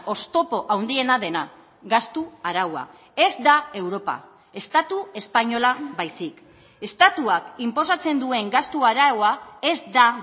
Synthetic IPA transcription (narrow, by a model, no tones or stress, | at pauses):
o̞st̪o̞po̞ʔawnd̪ie̞naðe̞na | ɡast̪uaɾawa̰ | e̞zd̪ae̞wɾo̞pa̰ | e̞st̪at̪ue̞spaɲo̞laβajsik | e̞st̪at̪uakimpo̞s̬at͡se̞nd̪ue̞ŋɡast̪uaɾawae̞zd̪a